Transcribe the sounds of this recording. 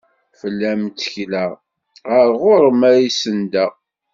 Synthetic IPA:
fəlːæmt͡sːəçlæ | ʁəɾʁoɾˤəmæɾisənd̪æ

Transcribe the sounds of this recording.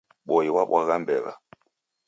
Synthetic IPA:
ɓɔjiwaɓwaɣambɛla̰

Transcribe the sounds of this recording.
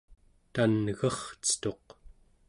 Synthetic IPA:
t̪anɣʌχt͡sə̥t̪o̞q

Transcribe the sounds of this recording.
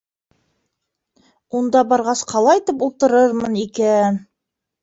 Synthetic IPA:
und̪ɑbɑɾʁɑsqʰɑlˠɑjt̪ɘpulˠt̪ɤ̆ɾɤɾmɤnikæ

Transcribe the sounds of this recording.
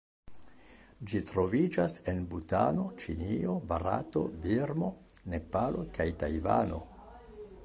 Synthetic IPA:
d͡ʒitɾo̞vid͡ʒase̞nbutano̞t͡ʃinio̞baɾa̰to̞̰biɾmo̞ne̞palo̞kajtajva̰no̞̰

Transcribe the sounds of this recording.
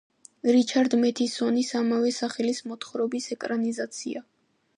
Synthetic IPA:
ɾit͡ʃʰaɾd̪mɛt̪ʰisɔnisamavɛsaχɛlismɔt̪ʰχɾɔbisɛkʼɾanizat̪sʰia

